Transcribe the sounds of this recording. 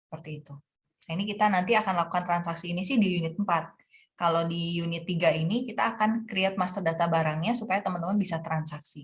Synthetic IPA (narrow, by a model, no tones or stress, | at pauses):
sə̥pərt̪iːt̪u | ainikit̪anant̪iakanlakukant̪ɾansaksiːnisɪhdijunɪt̪̚əmpat̪̚ | kalodijunɪt̪ːiɡainikit̪aːkankəɾiat̪̚mast̪ərdat̪abaɾaŋɲasupajat̪əmənt̪əmənbisat̪ɾansaksi